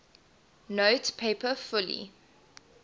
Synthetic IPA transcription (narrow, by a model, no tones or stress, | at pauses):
noʊtpʰeɪpəfʊlḭ